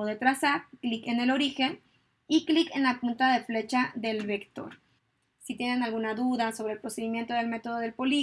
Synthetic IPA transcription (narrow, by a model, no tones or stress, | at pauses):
oðet̪ɾasaɾklike̞ne̞lo̞ɾixe̞n | iklike̞nlapunt̪aðe̞fle̞t͡ʃaðe̞lβekt̪o̞̰ɾ | sit̪je̞ne̞nalɣunaðuðaso̞βɾelpɾo̞se̞ðimje̞nt̪o̞ð̞e̞lme̞t̪o̞ð̞oðe̞lpo̞li